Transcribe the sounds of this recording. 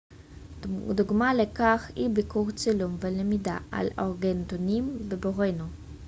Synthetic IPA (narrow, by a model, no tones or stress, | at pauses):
d̪uɡmalekaχhḭbikuʁt͡silumvelemid̪a̰a̰loʁɡent̪onimbeboʁenu